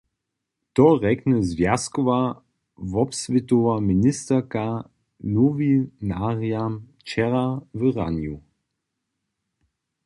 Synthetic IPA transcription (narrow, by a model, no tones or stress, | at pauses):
tɔʁɛknɛzvjaskɔva | vɔpsvɪt̪ovaminɪst̪əka | novinaʁjam | t͡ʃɛʁavəʁa̰nju